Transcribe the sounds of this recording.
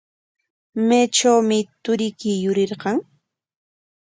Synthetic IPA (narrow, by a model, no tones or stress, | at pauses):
meːt͡ʃawmɪt̪ʊɾɪkɪjʊɾɪɾɢɑŋ